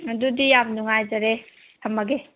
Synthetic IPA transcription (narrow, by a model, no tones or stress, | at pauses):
ɐdudijab̚nuŋajd͡ʒɐɾe | tʰɐmɐɡe